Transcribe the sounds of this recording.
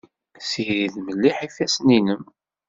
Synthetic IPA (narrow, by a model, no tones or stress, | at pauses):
siɾiðməlːiħifæsninəm